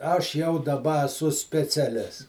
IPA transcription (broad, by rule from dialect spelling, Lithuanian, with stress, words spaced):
ˈɐʃ jɛʊ dɐˈbɐ ɐˈsʊ sʲpʲɛt͡sʲɛˈlʲɪs